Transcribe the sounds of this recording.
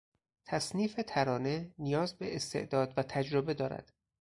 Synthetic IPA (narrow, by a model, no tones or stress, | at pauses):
t̪ʰæsniːfe̞t̪ʰæɾɒːne̞nijɒːzbeʔest̪ʰḛʔd̪ɒːd̪væt̪ʰæd͡ʒɾobe̞d̪ɒːɾæ̰d̪̥